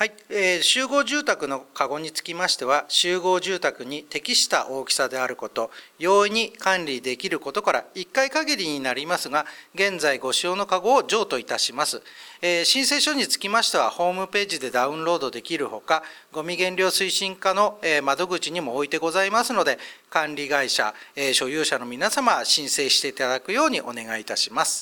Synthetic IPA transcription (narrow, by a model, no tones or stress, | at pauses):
hai | eːɕɨːɡo̞ːʑɨːt̪akɯ̟no̞kaɡo̞ɲ̟it͡sɨ̥kʲimaɕi̥t̪e̞β̞aɕɨːɡo̞ːʑɨːt̪akɯ̟ɲ̟it̪e̞kʲiɕi̥t̪a̰ʔo̞ːkʲi̥sad̪e̞aɾɯ̟ko̞t̪o̞jo̞ːiɲ̟ikãnɾʲid̪e̞kʲiɾɯ̟ko̞t̪o̞kaɾa̰ikːaikaɡʲiɾʲiɲ̟inaɾʲimasɨɡaɡẽ̞nzaiɡo̞ɕio̞ːno̞kaɡo̞ːʑo̞ːt̪o̞it̪aɕimasɨeːɕĩɰ̃se̞ːɕo̞ɲ̟it͡sɨ̥kʲimaɕi̥t̪eβa̰ho̞ːmɯ̟pe̞ːʑid̪e̞d̪aɯ̟̃nɾo̞ːd̪o̞d̪e̞kʲiɾɯ̟ho̞kaɡo̞mʲiɡẽ̞nɾʲo̞ːsɨiɕĩŋkano̞emad̪o̞ɡɯ̟t͡ɕiɲ̟imo̞ːit̪e̞ɡo̞zaimasɨno̞d̪e̞kãnɾʲiɡaiɕa̰eɕo̞jɯːɕano̞mʲinasamaɕĩɰ̃se̞ːɕi̥t̪e̞it̪ad̪akɯ̟jo̞ːɲ̟iʔo̞ne̞ɡait̪aɕimasɨ̥